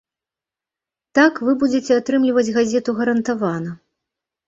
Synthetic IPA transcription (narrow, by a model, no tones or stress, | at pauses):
t̪akvɨbud͡zʲet͡sʲɛat̪ɾɨmlʲivɐd͡zʲɣazʲɛt̪uɣɐɾɐnt̪avanɐ